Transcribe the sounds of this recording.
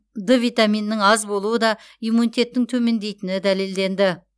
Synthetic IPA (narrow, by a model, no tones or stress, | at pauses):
d̪əvijt̪amijnːɪŋɑzbo̞lˠuəd̪ɑ | ijmunit̪e̞t̪ːɪŋt̪ʰɵme̞nd̪e̞jt̪ɪnɪd̪æle̞ld̪e̞nd̪ɪ